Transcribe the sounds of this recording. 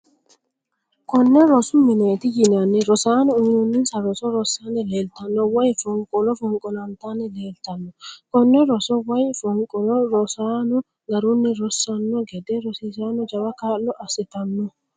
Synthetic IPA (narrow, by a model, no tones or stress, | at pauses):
kɔnːɛɾɔsuminet̪ijinanːɛɾɔsanɔːɲinunːinsaɾɔsɔɾɔsanɛlɛlt̪anːɔwajfɔŋkʼɔnɔfɔŋkʼɔnant̪anɛlelt̪anːɔkɔnːɛɾɔsɔwajfɔŋkʼɔnɔɾɔsanɔ | ŋɡaɾunːɛɾɔsːanːɔɡɛdɛɾɔsisanɔd͡ʒawakalːɔʔasit̪anːɔ